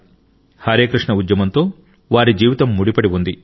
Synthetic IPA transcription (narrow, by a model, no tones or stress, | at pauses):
haːɾeːkɾiʂɳɐud̪jɐmɐnt̪o̞ː | ʋaːɾid͡ʒiːʋit̪ɐmːuɽipɐɽiʋund̪i